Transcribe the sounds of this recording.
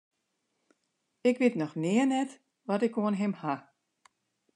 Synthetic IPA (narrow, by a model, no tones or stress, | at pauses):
ɪkʋɪtnɔxnɪənɛt | ʋɔtɪkoənɦɪmha